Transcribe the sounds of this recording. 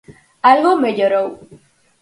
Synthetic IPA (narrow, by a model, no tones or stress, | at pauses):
alɣomeʎoɾow